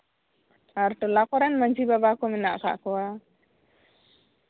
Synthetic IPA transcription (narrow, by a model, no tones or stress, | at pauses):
aɾʈɔlakɔɾanmaɲd͡ʒibabakɔmɛnaʔka̰ʔkɔwa